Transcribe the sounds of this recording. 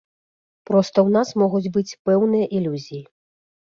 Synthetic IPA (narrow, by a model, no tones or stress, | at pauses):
pɾɔst̪ɐwnasmɔɣud͡zʲbɨt͡sʲpɛwnɨjɐʔilʲuzʲiji